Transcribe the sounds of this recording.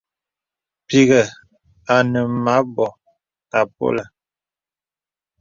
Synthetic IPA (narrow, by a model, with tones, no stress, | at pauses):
pi˨ɣə˨ | a˨nə˨ma˨˦bɔ˨ | ta˨p̚o̰˦lə˨